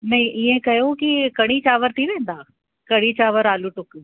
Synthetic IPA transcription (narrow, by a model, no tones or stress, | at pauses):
nɐɦĩʔiẽkɐjokikɐɽ̃it͡ɕaːʋəɾt̪ʰiʋẽːn̆d̪aː | kɐɽ̃it͡ɕaːʋəɾaːluʈʊk